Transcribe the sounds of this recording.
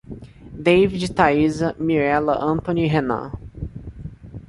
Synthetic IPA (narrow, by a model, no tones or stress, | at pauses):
d̪ejvid͡ʒɪt̪aizɐmiɾɛlɐʔɐ̃nt̪õniɦenã̰